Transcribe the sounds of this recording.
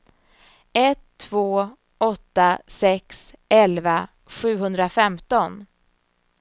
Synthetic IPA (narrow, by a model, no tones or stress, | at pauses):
ɛt̪ʰːvoː | ɔt̪ːasɛksɛlva | ɧʉ̟ːɦɵnd̪ɾafɛmt̪ɔn